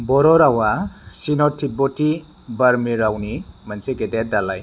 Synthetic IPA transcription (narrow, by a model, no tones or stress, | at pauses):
bɔɾɔɾawasinɔtʰːiboti | baɾmiɾawnimansekededalaj